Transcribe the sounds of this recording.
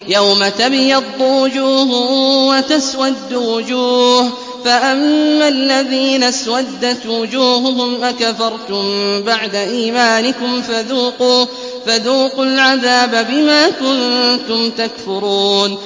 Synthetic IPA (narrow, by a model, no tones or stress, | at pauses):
jawmat̪abɪjɑd̪ˤːuwʊd͡ʒuːhʊwat̪aswad̪ːʊwʊd͡ʒuːh | faʔamːalːaðiːnaswad̪ːat̪wʊd͡ʒuːɦʊɦʊmʔakafɑɾˤt̪ʊmbaʕd̪aʔiːmaːnɪkʊmfaðuːquː | faðuːqʊlʕaðaːbabɪmaːkʊnt̪ʊmt̪akfʊɾuːn